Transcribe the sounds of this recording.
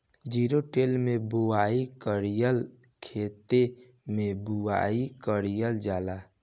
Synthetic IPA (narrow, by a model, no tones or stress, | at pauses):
d͡ʒiːɾoʈeːlmẽbuaːikəɾijəl | kʰeːt̪e | mẽbuaːikəɾijəld͡ʒaːlaː